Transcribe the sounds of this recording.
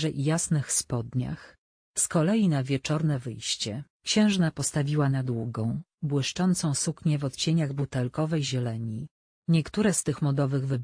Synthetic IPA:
ʐɛʔijasnɘxspɔd̪ɲa̰x | skɔlɛjinavʲjɛt͡ʂɔɾnɛvɘjɕt͡ɕɛkɕɛ̃w̃ʐnapɔst̪avʲiwanad̪wuɡɔ̃w̃ | bwɘʂt͡ʂɔnt̪sɔ̃w̃sukɲɛvɔt̪̚t͡ɕeɲaɣbut̪ɛlkɔvɛjʑɛlɛɲi | ɲɛkt̪uɾɛst̪ɘxmɔd̪ɔvɘɣvɘb

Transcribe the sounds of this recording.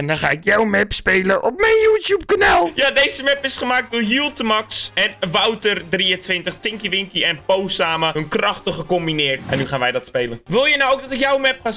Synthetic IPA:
ɛndɔnχaːɪkjawmɛpspejləʔɔp̚mɛjnjuːtjup̚kanaːlˠjaːdejzəmɛpɪsχəmaːk̚dʊːɹjulˠtəmɑksɛnʋawtərdriəntʋɪntəχtɪŋkiʋɪŋkiɛnpowsaːməhənkrɑχtəχəkɔmbinɪːɹtɛ̰nːyχaːnʋɛjdɑtspejlənʋɪlˠjənawowɡdɔɑtɪkjɔwmɛpχaː

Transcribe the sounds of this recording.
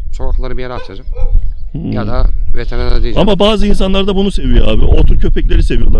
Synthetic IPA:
t͡ʃʰokaklˠaɾɯbijeɾakt͡ʃʰad͡ʒamhaavet̪ʰenanɛeamabaːzɯins̬anlˠaɾd̪abunuse̞vijoa̰ːbḭʔot̪uɾcʰø̞pʰɛcʲlʲe̞ɾisevijo̞lˠaɾ

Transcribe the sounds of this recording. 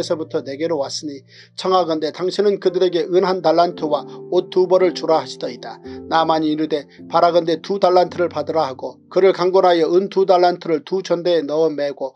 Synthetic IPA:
esʰʌbutʰʌne̞ɡe̞ɾowas͈ɯɲi | t͡ɕʰʌŋɦaɡɯnde̞taŋɕʰinɯnkɯdɯɾe̞ɡe̞ɯnɦandaɭːantʰɯwaot͈ːubʌɾɯɭt͡ɕuɾaɦaɕʰi̥dʌidanamaɲiːɾɯde̞ | paɾaɡɯnde̞tudaɭːantʰɯɾɯɭpadɯɾaɦaɡokɯɾɯɭkaŋɡonɦajʌɯntudaɭːantʰɯɾɯɭtut͡ɕʌnde̞nʌːmeɡo

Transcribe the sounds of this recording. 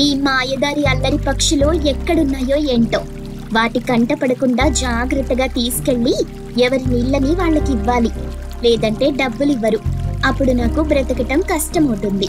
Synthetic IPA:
iːmaːjɐd̪aːɾiɐlːɐɾipɐkʂɐlo̞ːɛkːɐɽunːaːjo̞ːeːɳʈoː | ʋaːʈikɐɳʈɐpɐɽɐkuɳɖaːd͡ʒaːɡɾɐt̪ːɐɡaːt̪iːsu̥ke̞ɭːi | ɛʋɐɾiniɭːɐniʋaːɭːɐkiʋːaːli | lɛːd̪ɐɳʈe̞ːɖɐbːuliʋːɐɾuɐpːuɽunaːkubɾɐt̪ɐkɐʈɐmkɐʂʈɐmɐwut̪und̪i

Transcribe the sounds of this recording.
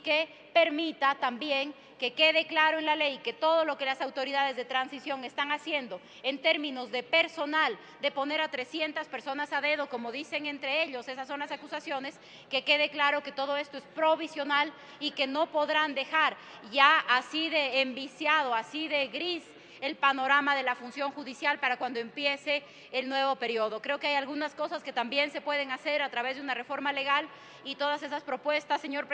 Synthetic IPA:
ke | pe̞ɾmit̪at̪ambje̞ŋ | ke̞ke̞ðe̞klaɾoe̞nlale̞jke̞t̪o̞ðo̞lo̞ke̞lasawt̪o̞ɾiðaðe̞zðe̞t̪ɾansisjo̞ŋe̞st̪aŋasje̞nd̪o̞ | e̞nt̪e̞ɾmĩno̞zðe̞pe̞ɾso̞nal | d̪e̞po̞ne̞ɾat̪ɾe̞sje̞nt̪aspe̞ɾso̞nasaðe̞ð̞o̞ko̞mo̞ðise̞ŋe̞nt̪ɾe̞e̞ʎo̞se̞s̬asːo̞nlasakusasjo̞ne̞s | ke̞ke̞ð̞e̞klaɾo̞ke̞t̪o̞ðo̞e̞st̪o̞e̞spɾo̞β̞isjo̞nal | ike̞no̞po̞ðɾand̪e̞xaɾ | ʝaasiðe̞ːmbisjaðo̞asiðeɣɾis | elpano̞ɾamaðe̞lafunsjo̞ŋxuðisjalpaɾakwand̪o̞e̞mpje̞se̞ː | lnwe̞βo̞pe̞ɾjo̞ðo̞kɾe̞o̞keajalɣunasko̞saske̞t̪ambje̞nsepwe̞ð̞e̞ŋase̞ɾat̪ɾaβe̞zðeunare̞fo̞ɾmale̞ɣal | it̪o̞ðase̞saspɾo̞pwe̞st̪asːeɲo̞ɾp

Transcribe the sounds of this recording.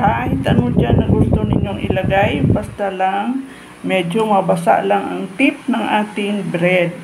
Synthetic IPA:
kahɪt̪ʔɐnod͡ʒanɐɡʊst̪onɪɲjoŋʔɪlaɡajbast̪alaŋ | mɛd͡ʒomɐbasa̰ʔlaŋa̰ŋt̪ɪp̚naŋʔaːt̪ɪŋbɾɛd̪̚

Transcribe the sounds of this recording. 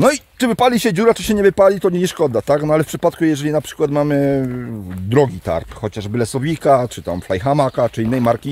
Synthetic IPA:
nɔit͡ʂɘvɘpalʲiɕɛd͡ʑuɾat͡ʂɘɕɛɲɛvɘpalʲit̪ɔɲɲɛʂkɔd̪at̪aknɔalɛfpʂɘpat̪kujɛʐɛlʲinapʂɘ̥kwat̪mamɘ | d̪ɾɔɡʲit̪a̰ɾpxɔt͡ɕaʐbɘlɛsɔvʲikat͡ʂɘt̪a̰mflajxamakat͡ʂɘinːɛjmaɾkʲi

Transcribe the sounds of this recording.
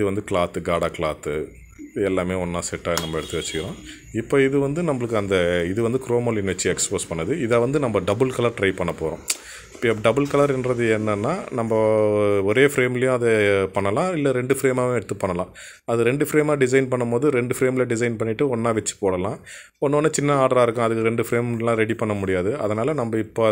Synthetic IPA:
ɪðɯʋɐnd̪ɯkɪɭaːt̪ːɯɡaːɽaːkɪɭa̰ːt̪ɯ | ɛlːaːmeːɔnːaːsɛʈːaːnɐmːɐɛɽɯt̪ːɯʋɛt͡ʃːɯkɪɾõː | ɪpːoːɪðɯʋɐnd̪ɯnɐmːɐɭɯk̬ːɯɐnd̪ɐɪðɯʋɐnd̪ɯkɾoːmoːlɪnʋɛt͡ʃːɯɛkspoːspɐɳːɐðɯɪðaʋɐnd̪ɯnɐmbɐɖɐbɯlkɐlɐɾʈɾɐɪpɐɳːɐpːoːɾõ̰ː | ɪpːoːɪpːɐɖɐbɯlkɐlɐɾɛnɾɐðɯɛnːɐnːaːnɐmbɐɔɾeːfɪɾeːmɪlɐjʊ̃ɐðɛpɐɳːɐlãːɪlːɐɾɛɳɖɯfɪɾeːmaːʋõːɛɽɯt̪ːɯpːɐɳːɐlãː | ɐðɯɾɛɳɖɯfɾeːmaːɖɪs̬ɐɪnpɐɳːɯmpoːðɯɾɛɳɖɯfɾeːmɪlɐɖɪsɐɪnpɐɳːɪʈːɯɔnːaːʋɛt͡ʃːɯ̥poːɽɐlãː | ɔnːoːnːɐt͡ʃɪnːɐaːɖɐɾaːɪɾɯkːõːɐðɯkːɯɾɛɳɖɯfɾeːmlãːɾɛɽipɐɳːɐmʊɽɪjaːðɯʔɐ̰ðɐnaːlɐnɐmbɐɪpːo

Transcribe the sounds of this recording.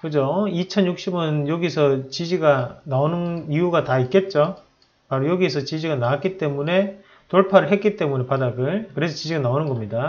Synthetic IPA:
kɯd͡ʑoit͡ɕʰʌnjuk̚ɕ͈ibɯnjʌɡisʰʌt͡ɕid͡ʑiɡanaonɯnijuɡatait̚k͈e̞t̚t͡ɕ͈o | paɾojʌɡies̬ʰʌt͡ɕid͡ʑiɡanaak͈it͈e̞mune̞ | toɭpʰaɾɯɭɦe̞k͈̚it͈e̞mune̞padaɡɯɭkɯɾe̞sʰʌt͡ɕid͡ʑiɡanaonɯnɡʌmɲida

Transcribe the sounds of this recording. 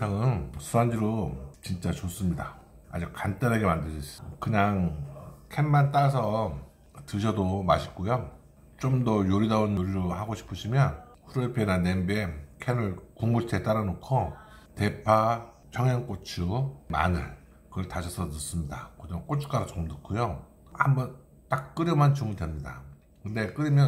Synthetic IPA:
tʰaŋɯnsʰuɾand͡ʑiɾot͡ɕint͡ɕ͈at͡ɕos͈ɯmɲida | a̰d͡ʑuk̚kant͈anaɡemandɯɭɕʰis͈kɯɲaŋkʰenmant͈asʰʌ | tɯɕʰʌdomaɕʰi̥k͈ojo | t͡ɕ͈omdʌjoɾidaonoɾiɾohaɡoɕʰi̥pʰɯɕʰimjʌn | ɸuɾɯepʰenanembekʰenɯɭkoŋbuɭtʰet͈aɾanokʰʌte̞pʰa | t͡ɕʰʌŋɦjʌŋk͈ot͡ɕʰuma̰nɯɭ | kɯʌɭtad͡ʑʰʌsʰʌnɯs͈ɯmɲida̰kɯd͡ʑʌŋk͈ot͡ɕʰi̥k͈aɾat͡ɕʌmnɯk͈ʰojo | ha̰mbʌn | t͈ak̚k͈ɯɾjʌmant͡ɕumudwe̞mɲida̰ | kɯnde̞k͈ɯɾimjʌn

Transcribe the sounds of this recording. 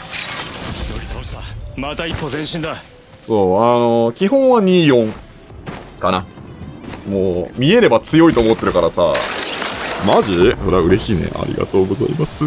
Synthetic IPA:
çi̥t̪oɾiamat̪aipːozẽɕĩnd̪a | soːano̞kʲiɦõ̞ɰ̃βaɲ̟iːjõ̞ŋ | kana | moːmʲie̞ɾe̞bat͡sɨjo̞it̪oːmo̞t̪ːe̞ɾɯ̟kaɾasa̰ː | maʑiso̞ɾe̞aɯ̟ɾe̞çʲiːnḛʔa̰ɾʲḭɡa̰t̪o̞ːɡo̞za̰ḭmasɨ

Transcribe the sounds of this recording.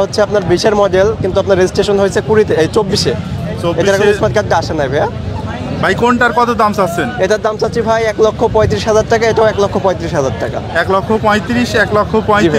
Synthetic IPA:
ɦotːʰeapnaɾbiʃeɾmɔɖelkint̪uapnaɾed͡ʑisʈeʃonɦoet͡ɕʰekuɾit̪eejt͡ɕobːiʃeoetaɾɛkʰonismat̪̚kat̪̚ʈeaʃenajbʱea | bajkonʈaɾkɔt̪od̪amsaeneʈaɾd̪amsat̪ːɾibʱajɛklokʰːopɔet̪iɾiʃɦad͡ʑaɖ̚ʈakaeʈawɛklokʰːopɔ̃et̪iɾiʃɦad͡ʑaɖ̚ʈaka̰ɛklɔkʰːopɔ̃et̪iɾiʃɛklɔkʰːopɔjib

